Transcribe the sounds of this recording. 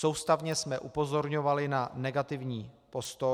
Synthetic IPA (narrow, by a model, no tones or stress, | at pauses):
sowst̪avɲɛsmɛʔupo̞zo̞ɾɲovalɪnanɛɡat̪ɪvɲiː | po̞st̪o